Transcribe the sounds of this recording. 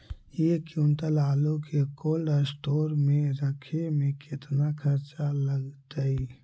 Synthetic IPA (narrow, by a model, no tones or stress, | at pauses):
jekjũːnt̪əlaːlõkekoːlɖəsʈoːɾmẽɾəkʰemẽkɪt̪nakʰɐɾt͡ʃaləɡt̪əi